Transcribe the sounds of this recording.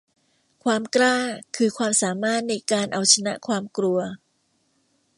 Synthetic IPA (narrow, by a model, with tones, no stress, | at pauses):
kʰwaː˧mklaː˥˩kʰɯː˧kʰwaː˧msaː˩˦maː˥˩t̪̚na˧jkaː˧nʔa˧wt͡ɕʰa˧na̰˦˥ʔkʰwaː˧mkɾu˧ɐ